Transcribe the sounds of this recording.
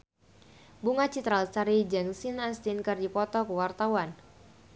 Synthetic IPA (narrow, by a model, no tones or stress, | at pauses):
buŋat͡ʃit̪ɾalsaɾid͡ʒaŋsinanst̪inkɨrdipɔt̪ɔkəwart̪awan